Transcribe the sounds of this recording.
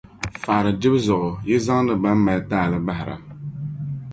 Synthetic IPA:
faː˨ɾɨ˨d͡ʒɪ˦bzʊ˨ʔʊ˨jɛ˦za˦ŋ˦dɨ˨ba˦m˦ma˨ltaː˦˨lɨ˦ba˦ɦɪ˨ɾa̰˨

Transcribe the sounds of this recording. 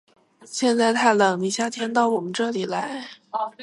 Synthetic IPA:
ɕjɛ˥˧nt͡sa˥˧ɪt̪ʰa˥˩ɪlɤ˨˩˦ŋni˨˩ɕja˥˩t̪ʰjɛ˥nt̪ɑ˥˩ʊwɔ˨˩mə˦nʈ͡ʂɤ˥˩li˨˩la˧˥ɪ

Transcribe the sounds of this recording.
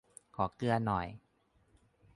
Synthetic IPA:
kʰɔː˩˦kɯ˧ɐnɔ˨˩j

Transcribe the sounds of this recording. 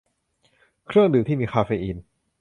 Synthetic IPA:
kʰɾɯ˥˩əŋdɯː˨˩˦t̪ʰiː˥˩miː˧xʰaː˧feː˧ʔi˧n

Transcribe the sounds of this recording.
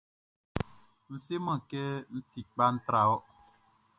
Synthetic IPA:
n̩˦se˦mã˦˨kɛ˦n̩˦ti˨k͡pa˦n̩˦t̪ɾa˨ɔ˦

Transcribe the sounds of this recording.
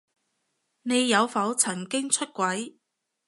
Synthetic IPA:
ne˨˧jːɐ˨˧wfɐ˨˥wt͡sʰɐ˨˩nkɪ˥ŋt͡ʃʰɵ˥t̚kʷɐ˨˥j

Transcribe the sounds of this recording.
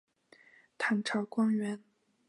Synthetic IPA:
t̪ʰa˧˥nʈ͡ʂʰɑ˧˥kwa˥nɥɛ˧˥n

